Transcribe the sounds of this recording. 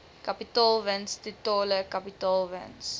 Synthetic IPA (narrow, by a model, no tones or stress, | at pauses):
kɐpitɑːlˠvənstitɑːləkɐpitɑːlvɛ̰ns